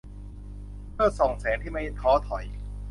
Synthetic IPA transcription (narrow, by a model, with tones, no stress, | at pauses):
pʰɯ˥˩ɐso˨˩ŋsɛː˩˦nt̪ʰiː˥˩ma˥˩jt̪ʰɔː˦˥t̪ʰɔ˨˩˦j